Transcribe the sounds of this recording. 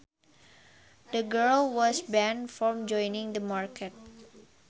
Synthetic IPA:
dəɡəɹlwɔsbɛ̃nfɹɔ̃md͡ʒɔ̃jnɪ̃ŋd̪əmaɹkʰət̚

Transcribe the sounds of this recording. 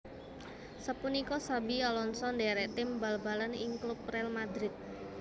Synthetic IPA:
səpunikɔsabialɔnsɔndɛɾɛʔt̪ɪmbalbalanɪŋklup̚rɛlmad̪ɾɪt̪̚

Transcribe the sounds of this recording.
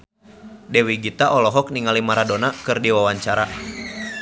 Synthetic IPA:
dɛwiɡit̪aʔɔlɔɦɔk̚niŋalimaɾadonakɨrdiwawaɲt͡ʃaɾa

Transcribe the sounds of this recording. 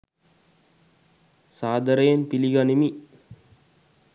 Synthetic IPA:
saːd̪əɾəjenpiliɡanimi

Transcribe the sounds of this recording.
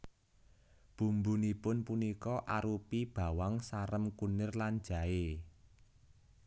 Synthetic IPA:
b̥ṳmbunipʊnpunikɔʔaɾupib̥a̤waŋsaɾəmkunɪrlan̥d͡ʒ̥a̤e

